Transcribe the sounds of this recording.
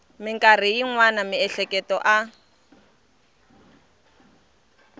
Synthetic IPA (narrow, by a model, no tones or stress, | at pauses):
mɪŋkʼarijiŋwanamɪɛɬɛkɛtɔʔa